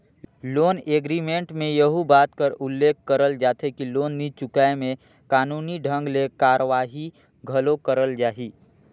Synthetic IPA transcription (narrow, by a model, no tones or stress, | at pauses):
loːneːɡɾiːmẽɳʈmẽjəɦubaːt̪kəɾʊlːeːkʰkəɾəld͡ʒaːt̪ʰekiloːnːit͡ʃʊkaːemẽ | kaːnuːniɖʱə̃ŋɡlekaːɾəʋaːɦi | ɡʱɐlokəɾəld͡ʒaːɦiː